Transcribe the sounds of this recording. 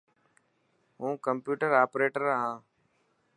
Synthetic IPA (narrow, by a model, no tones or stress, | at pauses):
ɦũːkəmpjuːʈəɾaːpɾeːʈəɾɦãː